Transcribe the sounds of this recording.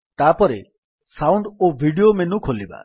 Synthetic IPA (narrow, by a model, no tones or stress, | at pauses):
t̪apɔɾe | sawɳɖobʱiɖiomenukʰoliba̰